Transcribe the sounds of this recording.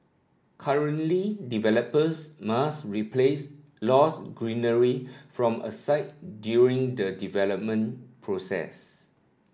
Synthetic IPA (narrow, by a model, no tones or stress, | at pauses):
kʰaɹə̃ntlidivɛləpəsmasɹipʰles | lɔsɡɹĩnəɹifɹɔ̃mə̰saɪt̚djuɹĩŋdədivɛləp̚mə̃npʰɹosɛ̰s